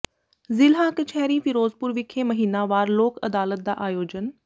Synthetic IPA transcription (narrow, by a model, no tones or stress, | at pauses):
zɪlɦãːkət͡ʃʰɛːɾiːpʰɪɾoːzpʊɾʋɪkʰːeːməɦiːnaːʋaːɾloːkəd̪aːlət̪̚d̪a̰ːʔaːjoːd͡ʒən